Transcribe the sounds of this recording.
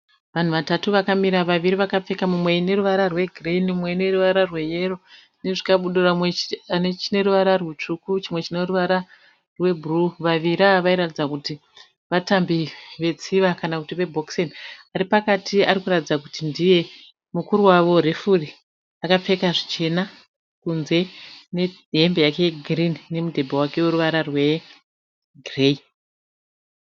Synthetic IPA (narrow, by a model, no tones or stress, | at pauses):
ʋan̤uʋatatuʋakamiɾaʋaʋiɾiʋakap͡fe̞kamumwe̞ine̞ruʋaɾarwe̞ɡʱreinumwe̞ine̞ruʋaɾarwe̞je̞ro̞ | ne̞ʐikaɓuɗuramwenet͡ʃine̞ɾuʋaɾarwet͡ʂukut͡ʃimwe̞t͡ʃine̞ruʋaɾa | rwe̞bʱruʋaʋiɾaʋaiɾatid͡zakuti | ʋatambiʋe̞t͡siʋakanakutiʋe̞bʱoksenaɾipakatiaɾikuratid͡zakutindije̞ | mukuɾuwaʋo̞re̞furi | akap͡fe̞kaʐit͡ʃe̞na | kunze̞ne̞ɦembe̞jake̞eɡrinːe̞mudʱe̞bowake̞weɾuʋaɾarwe̞ | ɡrei